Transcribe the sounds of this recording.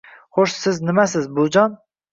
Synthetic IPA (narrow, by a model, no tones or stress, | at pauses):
χoʃsɪznɨmæs̬ɨzbud͡ʒɑn